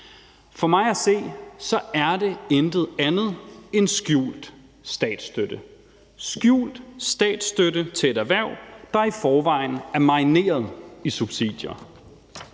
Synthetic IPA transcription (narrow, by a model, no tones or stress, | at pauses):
fɒ̽mɑ̈ɪæse̝̰ːsɒ̽æɐd̥e̝end̥ð̞̩ˠænð̩ˠe̝nsɡ̥jṵːld̥ | sd̥ɛ̰ːd̥sd̥ød̥ə | sɡ̥jṵːld̥sd̥ɛ̰ːd̥sd̥øɾət͡sʰe̝e̝ɾæɐʋæɐ̰ʊ̰d̥ɑ̈ifɒːʋɑ̈ɪ̰n̩æɐmɑ̈ɪne̝̰ːɐð̞ˠisub̥sḭd̥jɐ